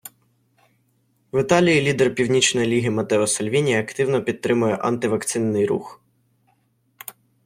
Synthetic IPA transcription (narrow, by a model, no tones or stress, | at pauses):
ʋɪt̪ɑlʲijilʲid̪ɛrpʲiwnʲit͡ʃnɔjilʲiɦɪmɐt̪ɛɔsɐlʲʋʲinʲijɐɐkt̪ɪwnɔpʲid̪̚ːɾɪmʊjɛʔɐ̰nt̪ɪʋɐkt̪sɪnːɪjrṵx